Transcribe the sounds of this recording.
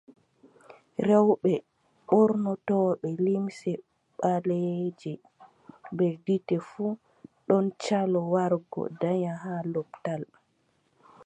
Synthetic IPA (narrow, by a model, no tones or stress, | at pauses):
ɾɛwɓɛ | ɓɔɾnɔtɔɓɛlimsɛ | ɓaled͡ʒɛ | bɛditɛfu | ɗɔnt͡ʃalɔwaɾɡɔ̰daɲaɦalɔptal